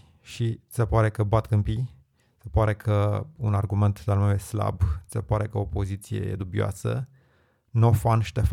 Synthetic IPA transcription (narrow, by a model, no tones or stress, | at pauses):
ʃise̞paɾe̞kəbat̪kɨmpi | se̞paɾe̞kʰəunarɡume̞nt̪lealnumumesla̰bse̞paɾe̞kəopo̞zit̪sijḛjḛd̪ubioa̰sə̰ | nofanʃi̥t̪ef